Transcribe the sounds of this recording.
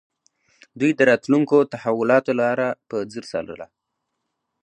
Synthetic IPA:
d̪ujd̪əɾɑt̪luŋkot̪ahawʊlɑt̪olɑɾapəd͡zəɾsɑ̰lə̰la̰

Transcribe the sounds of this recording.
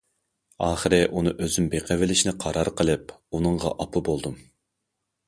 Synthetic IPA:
ɑːχəɾɪʔunɨʔøzymbeqʰɛvɪlɪʃinɪqʰɑɾɑɾqʰəlˠɨp̚unɨŋʁɑ̰ʔɑpʰubolˠd̪um

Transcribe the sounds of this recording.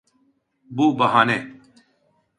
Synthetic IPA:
buːbɐɦaːneː

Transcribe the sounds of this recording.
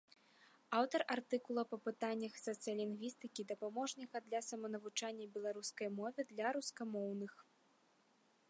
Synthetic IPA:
awt̪ɐrʔart̪ɨkulˠɐpɐpɨt̪anʲːɐxsɐt̪sɨjɐlʲinɡvʲist̪ɨkʲid̪ɐpamɔʐnʲɐɣɐd̪lʲɐsɐmɐnɐvut͡ʂanʲːɐbʲɛlˠaɾuskɐjmɔvʲɛd̪lʲɐɾuskamɔwnɨx

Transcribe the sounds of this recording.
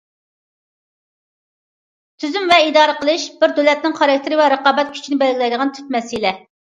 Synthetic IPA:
t̪ʰyzymvɛid̪ɑːɾəqəlˠɨʃbɪɾd̪ølɛt̪nɪŋχɑɾɑk̚ʲt̪ʰɪɾɪvɛɾəqɑːbɛt̪̚kʲʰy̥t͡ʃʰinɪbɛlɡʲilɛjd̪əʁɑnt̪ʰy̥t̪̚mɛsilɛ

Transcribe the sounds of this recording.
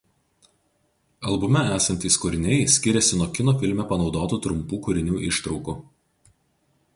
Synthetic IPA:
ɐlˠbʊmʲɛæːsɐnʲt̪ʲiːskʊɾʲɪnʲɛɪsʲkʲɪɾʲɛsʲɪnuɔkʲɪnoːfʲɪlʲmʲɛpɐnɒʊd̪oːt̪uːt̪ɾʊmpuːkʊɾʲɪnʲuːʔɪʃt̪ɾɒʊkuː

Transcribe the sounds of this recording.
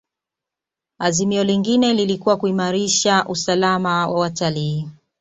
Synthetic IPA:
azimiɔliŋɡinɛlilikuwakuimaɾiʃaʔusalamawawataliː

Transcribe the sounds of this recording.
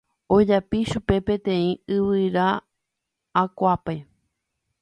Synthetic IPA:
od͡ʒapiʃupe̞pẽt̪ẽ̞ĩɨβɨɾaː | kʷape

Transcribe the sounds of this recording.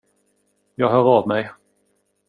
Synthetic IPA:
jɑːɡɦœːɾɑvmɛj

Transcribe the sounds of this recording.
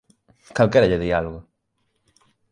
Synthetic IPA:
kalkeɾaʎeðialoɣo

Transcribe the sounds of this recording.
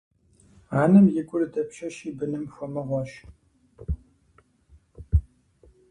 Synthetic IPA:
aːnɨmjɪɡʷʼʊrdɐpʃɐʃiːbɨnɨmxʷɔmɐʁʷɔʃ

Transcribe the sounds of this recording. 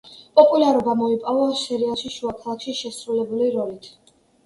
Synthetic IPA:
pʼɔpʼulaɾɔbamɔipʼɔvasɛɾialˠʃiʃuakʰalˠakʰʃiʃɛsɾulɛbuliɾɔlit̪ʰ

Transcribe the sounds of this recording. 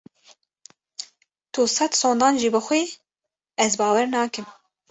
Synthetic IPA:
t̪ʰuːsɛt̪soːnd̪ɑːnʒiːbɨxʷeː | ɛzbɑːwɛɾnɑːkɨm

